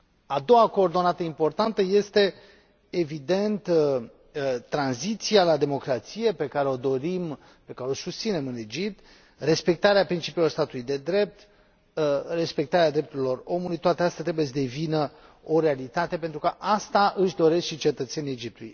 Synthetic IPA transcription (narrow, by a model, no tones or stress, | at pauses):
ad̪o̞wako̞ːrd̪o̞nat̪əimpo̞rt̪ant̪əje̞st̪e̞ | evid̪e̞nt̪ | t̪ɾanzit̪sialad̪e̞mo̞kɾat̪sije̞pe̞kaɾeo̞d̪o̞ɾim | pe̞kaɾeo̞sust̪sine̞mɨne̞d͡ʒip̚t̪ | re̞spe̞k̚t̪aɾeapɾint͡ʃipilo̞rst̪at̪ulujd̪e̞d̪ɾe̞p̚t̪ | re̞spe̞k̚t̪aɾead̪ɾe̞p̚t̪uɾilo̞ro̞mulujt̪oat̪əeast̪at̪ɾebuje̞s̬əd̪e̞vinə | o̞ɾe̞alit̪at̪e̞p̬e̞nt̪ɾukəʔast̪aʔɨʃd̪o̞ɾe̞skʃit͡ʃe̞t̪ət̪se̞nied͡ʒipt̪ululṵj